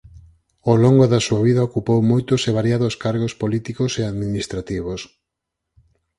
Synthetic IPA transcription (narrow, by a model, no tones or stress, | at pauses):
oloŋɡoðasuaβiðɐokupowmojt̪ʊseβ̞aɾjaðoskaɾɣospolit̪ikoseaðminist̪ɾat̪iβ̞os